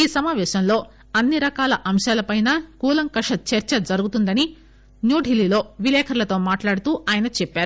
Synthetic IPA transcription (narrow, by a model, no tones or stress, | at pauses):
iːsɐmaːʋɛːʃɐmlo̞ː | ɐnːiɾɐkaːlɐʔɐmʃaːlɐpɐjnaːkuːlɐŋkɐʂɐt͡ʃeɾt͡ʃɐd͡ʒɐɾuɡut̪und̪ɐni | njuːɖʱililo̞ːʋilɛːkʰɐɾlɐt̪o̞ːmaːʈlaːɽut̪uːʔaːjɐnɐt͡ʃɛpːaːɾu